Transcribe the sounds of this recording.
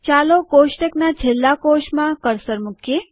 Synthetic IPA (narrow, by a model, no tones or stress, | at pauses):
t͡ʃaːlokoːʃʈeknat͡ʃʰelːakoːʃmãkəɾsəɾmʊkʰje